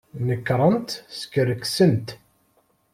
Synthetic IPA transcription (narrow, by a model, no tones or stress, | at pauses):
nəkːɾˤənt̪sə̥kːəɾəksənt̪